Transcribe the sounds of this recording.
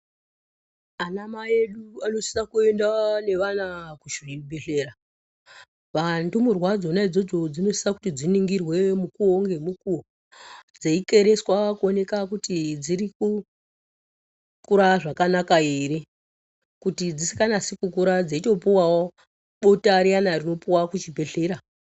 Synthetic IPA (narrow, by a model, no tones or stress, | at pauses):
anamaje̞ɗuano̞si̥nakue̞ndane̞ʋanakuʃiɓeɬe̞ɾa | ʋantumurwad͡zo̞naid͡zo̞d͡zo̞d͡zino̞si̥saku̥tid͡ziniŋɡirwe̞mukuoŋɡe̞mukuo | d͡zeike̞ɾe̞swakuone̞kakutid͡ziɾiku | kuɾaʐakanakaeːɾe | kutid͡zisi̥kanasikukuɾad͡zeito̞puwawo | ɓotaɾijanarino̞puwakut͡ʃibʱe̞ɬe̞ːɾa